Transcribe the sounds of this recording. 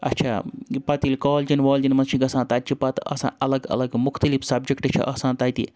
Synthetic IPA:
ɐ̰tːt͡ʃʰa̰ːpɐt̪ilkoːld͡ʒinʋoːld͡ʒinmɐnt͡ʃʰiɡɐsãːt̪aːtt͡ʃʰipɐt̪ɐ̰sã̰ːʔɐlɐɡɐ̰lɐɡmʊxt̪ɐlifsɐbd͡ʒɐkʈɨt͡ʃʰḭʔɐsãːt̪ɐːt̪ḭ

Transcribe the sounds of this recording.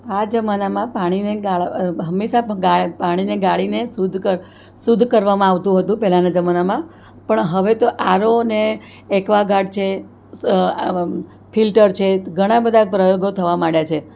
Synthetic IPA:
ad͡ʒəmanamãpaɽ̃ineɡaɭɦəmːeʃaɡapaɽ̃ineɡaɭinesud̪ʱkə | sud̪ʱkəɾʋamãaʋt̪ũɦət̪ũpɛɦlanad͡ʒəmanamã | pəɳɦəʋet̪oʔaɾoneː | kʋaɡaɖ̚t͡ʃʰe | filʈəɾt͡ʃʰeɡʱəɽ̃ãbəd̪ʱapɾəjoɡot̪ʰəʋamaɽjat͡ʃʰe

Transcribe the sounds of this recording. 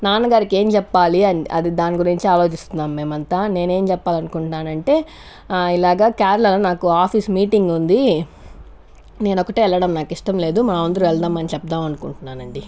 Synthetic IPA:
naːnɐɡaːɾike̞ːmt͡ʃɛpːaːliɐnɐ̰d̪id̪aːniɡuɾiɲt͡ʃiaːlo̞ːt͡ʃist̪unːaːmːe̞ːmɐnt̪aːne̞ːne̞ːmt͡ʃɛpːaːlɐnukuɳʈnaːnɐɳʈe̞ː | ilaːɡaːkaːɾɐlɐlɐnaːkuaːpʰismiːʈiŋɡund̪i | ne̞ːnɔkɐʈeːɛlːɐɽɐmnaːkiʂʈɐmle̞ːd̪umaːɐɐnd̪ɐɾuɛɭd̪aːmːɐnɐnt͡ʃɛp̚d̪aːmɐnukuɳʈunːaːnɐɳɖi

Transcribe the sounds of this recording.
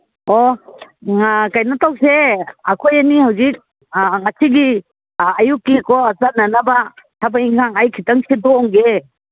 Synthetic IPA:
ɔ | ŋakajnatʰawseakʰojanihawzik̚ | ŋasʰiɡi | ajukːikɔasananabatʰabaiŋkʰaŋajkʰitaŋsidɔɔŋɡe

